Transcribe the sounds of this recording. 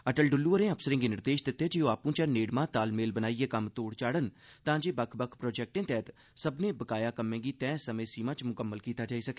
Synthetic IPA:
əʈəlɖʊlːuːəɾẽəpʰsəɾɪ̃ːŋɡinɪɾd̪eːʃd̪ɪt̪ːed͡ʒijõaːpũt͡ʃaneːɽmãːt̪aːlmeːlbənaːiekɐmt̪oːɽt͡ʃaːɽənt̪ãːd͡ʒeːbəkʰbəkʰpɾoːd͡ʒɛːk̚ʈẽt̪ɛːt̪ | səbnẽbəkaːjakəmẽːɡit̪ɛ̃ːsəməjsiːmãːt͡ʃmʊkəmːəlkiːt̪aːd͡ʒaːisɐke̥

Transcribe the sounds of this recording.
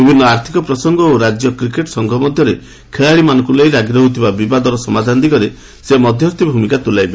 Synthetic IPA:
bibʱinːɔaɾt̪ʰi̥kɔpɾɔsɔŋɡɔoɾad͡ʒjɔkɾikeʈsɔŋɡʱɔmɔd̪ʱjɔɾe | kʰeɭaɭimanɔ̃ŋkulejɾaɡɾɔɦut̪ʰibabibad̪ɔɾɔsɔmad̪ʱant̪ikɔɾe | semɔd̪ʱjɔɾt̪ibʱumikat̪ulajbe

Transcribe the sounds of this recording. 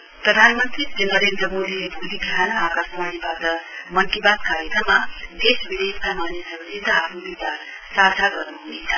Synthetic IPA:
prʌd̪ʱanmʌnt̪ritenʌɾend̪rʌmod̪ilebuliɡʱanaɦakasmanibatʌmʌkibad̪kaɾjekɾʌmːad̪esbid̪esamanjesʌmsid̪ʱaɦapʰnubit͡sar | sad͡zʱaɡʌrnuɦunet͡sʰʌ̥

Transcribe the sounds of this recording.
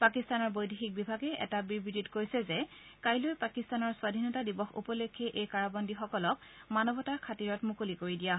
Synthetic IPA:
pakistanɔɹbojdexik̚bibʱaɡɛʔɛ̰tabibɹiditkojsɛzɛkajlojpakistanɔɹswadʱinɔtadibɔxṵpɔlekʰːɛʔejkaɹabɔndixɔkɔlɔk̚manɔbʱɔtaɹkʰatiɹɔtmukolikoɹidija

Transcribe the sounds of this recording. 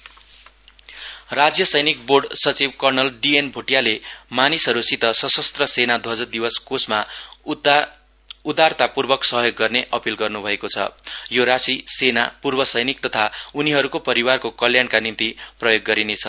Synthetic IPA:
rad͡zjʌsʌjnik̚borɖsʌt͡sibkʌrnʌlɖienbʱoʈijalemanisɦʌɾusit̪ʌsʌsʌst̪rʌsenad̪ʱwʌd͡zʌd̪ibʌskosma | ud̪art̪apurbʌksʌɦjoɡːʌrneʔʌpilɡʌrnubʱʌekot͡sʰʌ̰joɾasisenapurbʌsʌjnik̚t̪ʌt̪ʰauniɦʌɾukopʌɾiwarkokʌljankanint̪iprʌjoɡːʌɾinet͡sʰʌ

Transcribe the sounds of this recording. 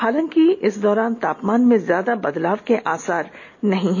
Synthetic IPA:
haːlə̃ŋkiɪsd̪ɔːɾaːnt̪aːpmaːnmẽzjaːd̪abɐd̪laːʋkeʔaːsaːɾ | nɐɦĩɦɛ

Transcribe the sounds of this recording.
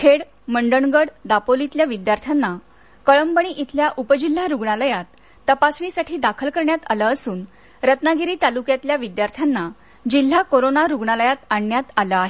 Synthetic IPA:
kʰeɽ | məɳɖəɳɡəɽd̪apolit̪ljaʋid̪jaɾt̪ʰjanːa | kəɭəmbəɳiʔit̪ʰljaʔupəd͡ʑil̤ːaɾuɡɳaləjat̪ː | əpasɳisaʈʰiːd̪akʰəlkəɾɳjat̪a̰ləəsuːn | ɾət̪naɡiɾiːt̪alukjat̪ljaʋid̪jaɾt̪ʰjanːa | d͡ʑil̤ːakoɾonaɾuɡɳaləjat̪aɳːjat̪aləaɦe

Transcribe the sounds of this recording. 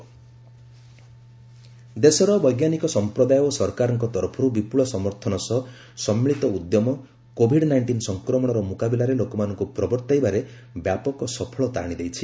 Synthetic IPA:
d̪esɔɾɔbɔjɡjanikɔsɔmpɾɔd̪ajosɔɾkaɾɔŋkɔt̪ɔɾpʰɔɾubipuɭɔsɔmɔɾt̪ʰɔnɔsɔ | sɔmːiɭit̪ɔud̪jɔmɔ | kobʱiɖnajɳʈinsɔŋkɾɔmɔɽ̃ɔɾɔmukabilaɾelokɔmanɔŋkupɾɔbɔɾt̪ajbaɾe | bjapɔkɔsɔpʰɔɭɔt̪a̰ɽ̃id̪ejt͡ʃʰi

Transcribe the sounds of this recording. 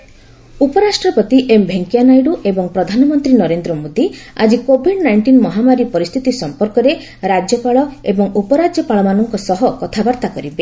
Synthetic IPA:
upɔɾasʈɾɔpɔt̪iʔembʱeŋkianajɖuʔebɔŋpɾɔd̪ʱanɔmɔnt̪ɾinɔɾend̪ɾɔmod̪ia̰d͡ʒikobʱiɖnajɳʈinmɔɦamaɾipɔɾist̪ʰit̪isɔmpɔɾkɔɾe | ɾad͡ʒjɔpaɭɔebɔŋupɔɾad͡ʒjɔpaɭɔmanɔŋkɔsɔɦɔkɔt̪ʰabaɾt̪akɔɾibe

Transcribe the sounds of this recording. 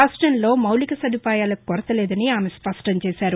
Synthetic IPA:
aːsʈɐnlo̞ːmɐwlikɐsɐd̪ʱipaːjaːlɐkɔɾɐt̪ɐlɛːd̪ɐniaːmespɐsʈɐɲt͡ʃɛːsaːɾu

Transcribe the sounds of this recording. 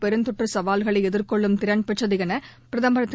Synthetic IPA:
pɛɾɯnt̪ʊʈrɯsɐʋaːlɣɐɭɐɪɛðɪɾkɔɭːɯmt̪ɪɾɐɳpɛʈt͡ʃːɐðɪɣɐnɐ | pɪɾɐðɐmbɐɾɐt̪ː

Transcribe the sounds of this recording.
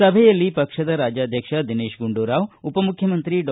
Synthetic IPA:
ɐbʱɛjɐlːipɐkʂɐd̪ɐɾaːd͡ʒjaːd̪ʱjɐkʂɐd̪ineːʃɡuɳɖuːɾaːʋupɐmukʰjɐmɐnt̪ɾiɖ

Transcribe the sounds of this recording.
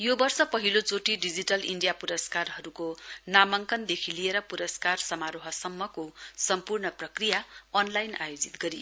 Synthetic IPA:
jobʌrsʌpʌɦilot͡soʈiɖid͡ziʈʌliɳɖijapuɾʌskarɦʌɾukonamʌŋkʌnd̪ekʰilieɾʌpuɾʌskarsʌmaɾoɦʌsʌmːʌkosʌmpurnʌprʌkrijaʌnlajna̰jod͡zit̪ɡʌɾi

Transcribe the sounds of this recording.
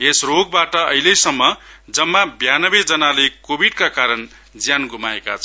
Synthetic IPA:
esroɡ̚baʈʌʌ̰ɦilesʌmːʌd͡zʌmːabjanʌbed͡zʌnalekobiɽkakaɾʌn | d͡zjanɡumaeka̰t͡sʰʌ

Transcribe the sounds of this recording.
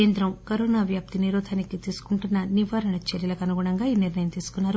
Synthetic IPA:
eːnd̪ɾɐmkɐɾoːnaːʋjaːp̚t̪iniɾoːd̪ʱaːnikit̪iːsu̥kuɳʈunːɐniʋaːɾɐɳɐt͡ʃeɾjɐlɐkɐnuɡuɽɐŋɡaːiːniɾnɐjɐmt̪iːsu̥kunːaːɾu

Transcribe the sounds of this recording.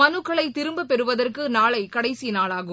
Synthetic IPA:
ɐnɯkːɐɭɐɪt̪ɪɾɯmbɯpɛɾɯʋɐðɐrkɯnaːɭɐɪkɐɽɐɪsinaːɭaːɣɯ

